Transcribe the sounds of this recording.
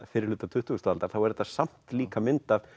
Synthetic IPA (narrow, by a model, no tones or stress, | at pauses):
fɪɾɪɾlʏːt̪ːat̪ʰʏht̪uwʏst̪aːlt̪aɾ̥θawɛɾɛt̪ːḁsam̥t̪liːkamɪnt̪av